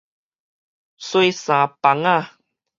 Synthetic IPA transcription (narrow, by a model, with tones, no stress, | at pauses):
so˧˦jsã˨˦pa˨˦ŋa˥˧˨